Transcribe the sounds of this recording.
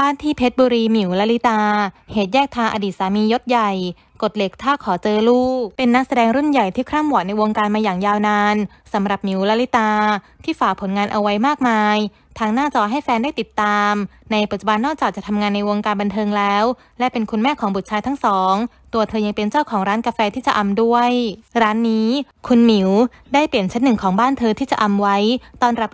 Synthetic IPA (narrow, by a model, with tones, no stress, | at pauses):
baː˥˩nt̪ʰiː˦˥˩pʰe˦˥t̪̚buː˧ɾiː˧mi˩˦wlɛ˦˥li˦˥t̪aː˧heː˨˩t̪̚jɛː˥˩k̚t̪ʰaː˧ŋʔa̰˧diː˨˩t̪̚saː˩˦miː˧jo˦˥t̪̚ja˨˩j | ko˨˩t̪̚le˨˩k̚t̪ʰːaː˥˩kʰɔː˩˦t͡ɕɤː˧luː˥˩pe˧nːa˦˥sa˧dɛː˧ŋɾu˥˩nja˨˩jt̪ʰiː˥˩kʰɾaː˥˩mwu˨˩t̪̚na˧jwo˧ŋkaː˧nmaː˧jaː˨˩ŋjaː˧wnaː˧n | sa˩˦mɾa˨˩p̚mi˨˩˦wlɛ˦˧˥li˦˥t̪aː˧t̪ʰiː˥˩faː˨˩k̚pʰo˨˩˦nŋaː˧nʔa̰˧wa˦˥jmaː˥˩k̚maː˧j | t̪ʰaː˧˥ŋnaː˥˩t͡ɕɔː˧ɦa˥˩jfɛː˧ndaː˥˩jt̪i˨˩t̪ːaː˧mna˧jpɯ˨˩t̪̚t͡ɕu˨˩ba˧nːɔː˥˩k̚t͡ɕaː˨˩k̚t͡ɕa˨˩t̪ʰa˧ŋaː˧nːa˧jwo˧ŋkaː˧nba˧nt̪ʰɤː˧ŋlɛː˦˥w | lɛ˦˥pe˧nkʰu˧nmɛː˥˩kʰɔː˩˦bu˨˩t̪̚t͡ɕʰaː˧jt̪ʰa˦˥ŋsɔː˩˦ŋ | t̪u˧ɐt̪ʰɤː˧ja˧ŋpe˧nt͡ɕa˥˩wkʰɔː˩˦ŋɾaː˦˥nka˧fɛː˧t̪ʰiː˥˩t͡ɕa˨˩ʔa˧mdu˥˩əjɾaː˦˥nːiː˦˥ | kʰu˧nmi˨˩˦w | daː˥˩jpli˨˩ənt͡ɕʰa˦˥nːɯ˨˩ŋkʰɔː˩˦ŋbaː˥˩nt̪ʰɤː˧t̪ʰiː˥˩t͡ɕa˨˩ʔa˧mwa˦˥jt̪ɔː˥˩nɾa˦˥p̚